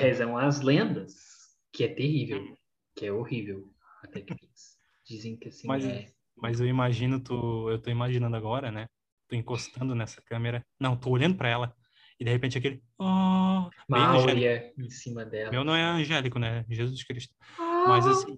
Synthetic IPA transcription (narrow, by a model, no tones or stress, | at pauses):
hɛzɐ̃w̃ɐzlẽnd̪ɐs | kɪɛt̪ehivew | kɪɛohivew | at̪ɛklels | d͡ʒizẽj̃kɪasĩmɐzɛ | mɐzewimaʒĩnʊt̪uewt̪oimaʒinɐ̃nd̪ʊaɡɔɾɐnɛ | t̪oĩkost̪ɐ̃nd̪ʊnɛsɐ̥kɐ̃meɾɐnɐ̃w̃t̪ooʎɐ̃d̪ʊpɾɐɛlɐ | ɪd̪ehepẽnt͡ʃɪak̬elɪ | ɔ | mẽwɛlɾiɐẽsĩmɐd̪ɛlɐmewnõw̃ɛɐ̃ʒɛlikʊnɛʒezuskɾiʃt̪ʊ̥mɐzasĩ